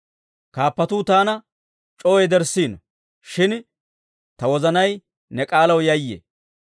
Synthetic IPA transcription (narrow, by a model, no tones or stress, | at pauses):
kaːpːɐt̪uːt̪aːnɐ | t͡ʃʼoːɛjd̪ɛɾsiːnɔ | ʃɪn | t̪ɐwɔzɐnɐj | nɛkʼaːlɐwjɐjːḛ